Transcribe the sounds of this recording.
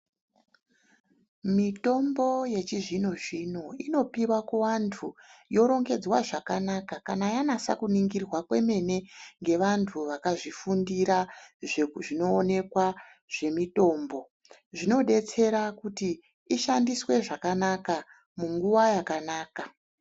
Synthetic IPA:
mito̞mbo̞je̞t͡ʃiʐino̞ʐinoino̞piwakoʋantʰujo̞ɾo̞ŋɡe̞d͡zwaʐakanakakanajanasa̰kuniŋɡirwakwe̞me̞ne̞ŋɡe̞ʋantʰuʋakaʐifundiɾaʐeʐino̞ːne̞kwa | ʐ̥e̞mito̞ːmbo̞ | ʐino̞ɗe̞t͡se̞ɾakuti | iʃandiswe̞ʐakanaka | muŋɡuʋajakanaːka

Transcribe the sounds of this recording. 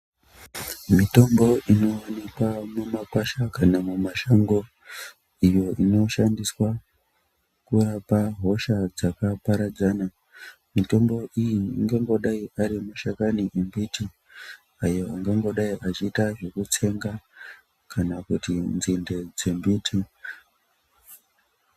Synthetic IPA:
mito̞mbo̞ino̞anekwamumakwaʃakanamumaʃaŋɡo̞ | ijo̞ʔino̞ʃandiswa | kurapaɦo̞ʃad͡zakapaɾad͡zana | mito̞mbo̞ʔijiːŋɡeŋɡo̞ɗaiʔaɾimaʃakaniʔembiti | ajo̞aŋɡeŋɡo̞ɗaiʔat͡ʃiːtaʐe̞kut͡se̞ŋɡa | kanakutinzinde̞d͡ze̞mbiːtʰi

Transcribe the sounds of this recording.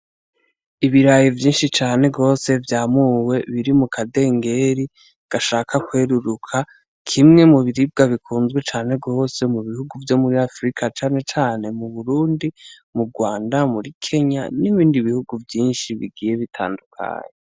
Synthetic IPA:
iβiɾajivjiːnʃit͡ʃaːne̞ɡo̞ːse̞vjaːmuwe̞βiɾimukʰade̞ːŋɡe̞ɾi | ɡ̥aʃaːkʰakwe̞ɾuɾukʰa | kʰimŋe̞muβiɾib̚ɡaβikʰuːnzɡwe̞t͡ʃaːne̞ɡo̞ːse̞muβihuɡuvjo̞muɾiafɾikʰat͡ʃaːne̞t͡ʃaːne̞muβuɾuːndimuɡwaːndamuɾikʰe̞ɲa̰niβiːndiβihuɡuvjiːnʃiβḭɡiːje̞βitʰa̰ːndukʰa̰ːɲe

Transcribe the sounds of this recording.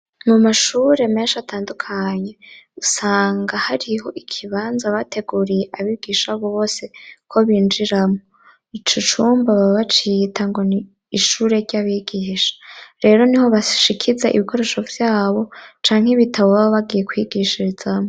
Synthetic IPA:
mumaʃuɾe̞me̞ːnʃatʰaːndukʰaɲe̞usaːŋɡahaɾiɦo̞ʔikʰiβaːnzaβatʰe̞ɡuɾijeʔaβiɡ̥iʃaβoβo̞ːse̞kʰo̞βind͡ʒiɾamo | it͡ʃut͡ʃuːmbaβaβat͡ʃitʰaŋɡo̞ni | iʃuɾe̞ɾɟaβiɡiːʃḁɾe̞ːɾo̞niho̞βaʃikʰizaʔḭβikʰo̞ɾe̞ʃo̞vjaːβo̞t͡ʃaːŋheβitʰaβoβaβoβaɡije̞kwiɡiʃiɾizamo

